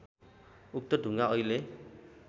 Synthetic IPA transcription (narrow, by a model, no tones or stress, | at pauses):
uk̚t̪ɔd̪ṳŋɡaɔjle